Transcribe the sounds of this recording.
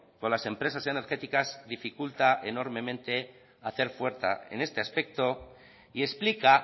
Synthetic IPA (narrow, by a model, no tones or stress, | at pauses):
kolase̞mpɾe̞s̬ase̞ne̞ɾxe̞t̪ikazðifikult̪aʔe̞no̞ɾmẽ̞mẽ̞nt̪e̞ | aθe̞ɾfwe̞ɾθa̰e̞̰ne̞st̪e̞aspe̞k̚t̪o̞ | ie̞splika